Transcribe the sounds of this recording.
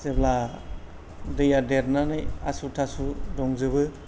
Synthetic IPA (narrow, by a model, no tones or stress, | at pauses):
sebla | dɯjadeɾnanɯja̰sutʰasudɔŋzɯbɯ